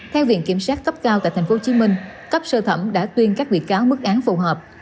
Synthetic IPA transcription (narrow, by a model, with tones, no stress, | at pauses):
t̪ʰɛ˧wvḭ˧˨ənki˧˩əmsaː˦˥t̚kə˦˥p̚kaː˧wt̪aː˧˨t̪ʰa˨˩jŋ̟fo˨˦˥t͡ɕi˨˦mï˧ŋ̟kə˦˥p̚səː˧t̪ʰə˧˩mɗa̰ː˧˥t̪wi˧ənkaː˦˥k̚vḭ˧˨kaː˨˦wmɨ˦˥k̚ʔaː˨˦nfu˨˩ɦəː˨˩p̚